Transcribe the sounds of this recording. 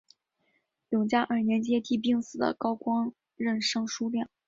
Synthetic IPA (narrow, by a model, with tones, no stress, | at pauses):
jʊ˨˩ŋt͡ɕja˥ʔə˞˥˩njɛ˧˥nt͡ɕjɛ˥t̪i˥˧p̬i˥˧ŋsɹ̩˨˩d̪ə̰˦kɑ˥ʊkwɑ˥ŋ | ɻə˥˩nʂɤ˥˧ŋʂu˥ljɛ˥˩ŋ